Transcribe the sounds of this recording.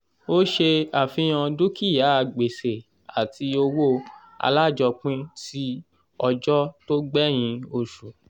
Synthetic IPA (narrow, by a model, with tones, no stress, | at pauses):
o˦ʃe˧a˨fĩ˧j̃ã˧du˦ki˦˨ja˨˦a˧˨ɡ͡be˨se˨ | a˨ti˧o˧wo˦ | a̰˧la˦˨d͡ʒɔ˧k͡pĩ˦ti˦ | ɔ˧d͡ʒɔ˦to˦ɡ͡bɛ˦j̃ĩ˧o˧ʃu˨